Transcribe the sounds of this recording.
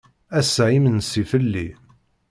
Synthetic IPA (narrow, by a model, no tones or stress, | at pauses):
æsʕimənsifəlːḭ